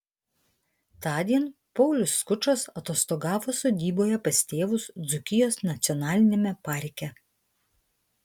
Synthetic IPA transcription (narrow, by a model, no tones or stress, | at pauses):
t̪ɑːd̪ʲiɛn | pɔʊlʲʊsːkʊt͡ʃosɐt̪oːst̪oɡɑːʋoːsoːd̪ʲiːboːjɛpɐsʲt̪ʲeːʋʊsd̪zʊkʲɪjoːsnɐt̪sʲɔnɑːlʲɪnʲemʲɛpɑɾʲkʲɛ